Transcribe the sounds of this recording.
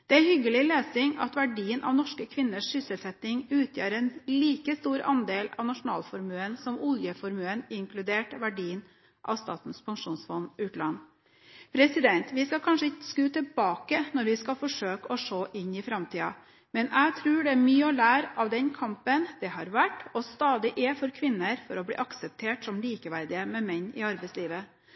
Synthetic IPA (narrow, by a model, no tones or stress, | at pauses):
d̪̥ɛæɾhʏɡːəlɪleːsɪŋɑ̰t̪ʋæɖiːənʔɑ̰ʋnɔʂkəkʰʋɪnːəʂːʏsəlsɛt̪ːɪŋʉːt̪ʰjø̰ːɾɛːnliːkəst̪uːɾɑ̰nd̪eːlɑ̰ʋnɑʂʊnɑ̰ːlfɔɾmøːənsɔmʊljəfɔɾmøːənɪŋkʰlʉd̪eːʈʋæɖiːən | ʔɑ̰ʋst̪ɑ̰ːt̪n̩spʰɑŋʂuːnsfɔnːʉːt̪lɑnː | pʰɾɛsɪd̪ɛnt̪ʋɪskɑkʰɑnʂəɪtəskʉːt̪ʰɛlbɑːkənɔɾʋɪskɑfɔʂøːkɔʂoːʔɪnːɪfɾɑmt̪ʰiːɑ | mɛnʔæɡt̪ʰɾʉːɖɛæmyːəɔlæːɾɑʋd̪ɛnkʰɑmpənd̪ɛɦɑɾʋæʈːɔst̪ɑːd̪ɪʔɛfɔɾkʰʋɪnːəɾfɔɾɔblḭːʔɑksəp̚t̪ʰeːʈsɔmliːkəʋæɾd̪ɪəmɛmɛɲːɪ̰ɑɾbɛɪsliːʋə